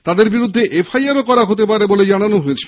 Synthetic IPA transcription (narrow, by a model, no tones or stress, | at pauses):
t̪ad̪eɾbiɾud̪ʱːeʔefʰajaɾokɔɾaɦot̪̬ep̬aɾeboled͡ʑananoɦoet͡ɕʰi